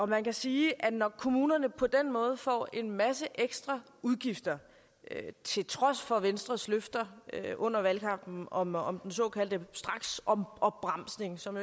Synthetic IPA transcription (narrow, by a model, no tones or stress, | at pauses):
ɒ̽mænkæsiːʔænɒkʰo̝muːnɐnəpʰɒ̽d̥en̰mɔ̽ːð̞̩ˠfɒ̰ːe̝nmæsəʔeɡ̥sd̥ʁɑ̈ | uð̞ˠɡ̥ifd̥ɐ | øt͡sʰe̝lt͡sʰʁɒ̽sfɒ̽ʋensd̥ʁɐsløfd̥ɐøʔɔ̽n̰ɐʋælkʰɑ̈m̰b̥n̩ɒ̽mɒmd̥ensɔ̰̽ːkʰæl̰d̥əsd̥ʁɑ̈ɡ̥sɒmɒ̽b̥ʁɑ̈m̰sne̝ŋsɒ̽m